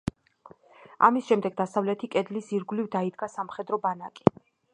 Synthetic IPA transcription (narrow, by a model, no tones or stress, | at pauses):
a̰misʃɛmd̪ɛɡd̪asavlɛt̪ʰikʼɛd̪lisiɾɡlivd̪aid̪ɡasamχɛd̪ɾɔbanakʼi̥